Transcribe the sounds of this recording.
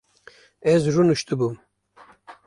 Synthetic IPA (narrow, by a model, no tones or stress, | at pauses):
ɛzrunuʃt̪ɨbum